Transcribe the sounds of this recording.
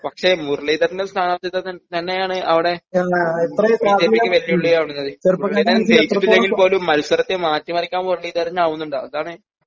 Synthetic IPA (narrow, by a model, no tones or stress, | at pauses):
pɐkʂe̞murɭiːd̪ɐɾnːɐlst̪ʰaːnaːɐt̪ːit̪ːɐt̪ɐt̪ɐnːe̞jaːɳɨʔɐʋiɽe̞ait̪rɐt͡ɕeikkːiʋɐlːijuɭːijaːʋɳunːɐðɨrmuɐrɭiːd̪ɐt͡ɕejit͡ɕːiʈːilːeŋɡilpo̞ːlumːɐɾusɐɾɐt̪ːemaːtːumɐrikʲːaːnmurɭiːd̪ɐɾɐɲːaːʋunːuɳɖaɐðaːɳɨ